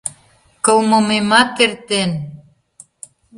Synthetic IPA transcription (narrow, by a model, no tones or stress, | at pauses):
kɤwmomemɑt̚keɾt̪en